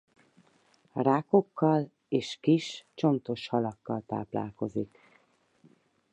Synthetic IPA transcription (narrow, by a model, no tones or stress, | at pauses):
raːko̞kːɒl | eːʃkiʃt͡ʃo̞nt̪o̞ʃhɒlɒkːɒlt̪a̰ːpla̰ːlko̞zik